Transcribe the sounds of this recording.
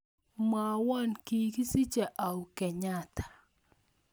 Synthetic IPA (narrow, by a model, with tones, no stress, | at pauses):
ma˨wɔ˦nki˨ki˦si˦t͡ʃa˨ʔa˨u˨kɛ˨ɲa˦tḁ˨